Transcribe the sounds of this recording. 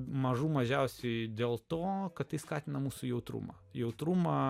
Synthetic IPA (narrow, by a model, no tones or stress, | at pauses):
mɐʒuːmɐʒʲɛʊsʲɛɪd̪ʲeːlˠt̪oːkɐt̪t̪ːɐɪskɑːt̪ʲɪnɐmuːsʊjɛʊt̪ɾṵmɐ̰ | jɛʊt̪ɾumɑː